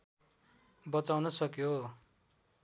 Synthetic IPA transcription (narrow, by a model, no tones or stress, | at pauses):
bʌt͡sawnʌsʌkjo